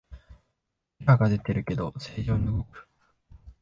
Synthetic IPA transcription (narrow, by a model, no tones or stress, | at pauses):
ikaɡad̪et̪͈ːeɾɯke̞d̪oseːd͡ʑonːɯɡokɯ̥